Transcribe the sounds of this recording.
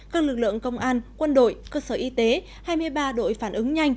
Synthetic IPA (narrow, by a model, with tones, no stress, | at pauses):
kaː˦˥k̚lɨ˨˩k̚lɨ̰˧˨əŋkə˧wŋ͡mʔaː˧nkwə˧nɗo̰˧˨jkəː˧səː˧˩ʔi˧t̪e˨˦ | haː˧jmɨ˧əjɓaː˧ɗo̰˧˨jfaː˧˩nʔɨ˨˦ŋɲa˧jŋ̟